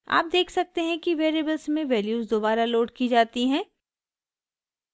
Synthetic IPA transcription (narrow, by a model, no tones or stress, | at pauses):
a̰ːp̚d̪eːkʰsɐk̚t̪eɦɛ̃kiʋeːɾeːbəlsmẽʋɛːljuːzd̪oːbaːɾaloːɖkid͡ʒaːt̪iɦɛ̃ː